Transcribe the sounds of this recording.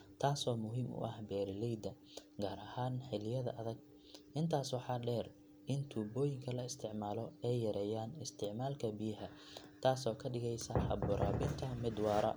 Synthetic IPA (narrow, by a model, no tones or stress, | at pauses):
t̪ʰaːsɔːmʊɦiːmʔʊ̰ʔɐ̰hbɛːɾɪlɛjd̪ɐ | ɡaːɾɐhaːnħɛlɪjɐðɐ̰ʔɐðɐɡ̚ | ʔɪnt̪ʰaːswɑħɑːɖɛːr | ɪnt̪ʰuːbɔːjɪŋkʰɐlɐɪst̪ʰɪʕmaːlɔɛjjɐɾɛːjaːnɪst̪ʰɪʕmaːlkʰɐbɪjɐɦɐ | t̪ʰaːsɔːkʰɐɖɪɣɛjsɐħɑbʊɾʔa̰ːbɪnt̪ʰɐmɪd̪wɑːɾɐ̰